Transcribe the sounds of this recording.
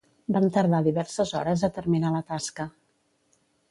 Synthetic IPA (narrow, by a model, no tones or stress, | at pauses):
bamt̪əɾð̞aðiβɛɾsəzɔ̰ɾəzət̪əɾminalət̪askə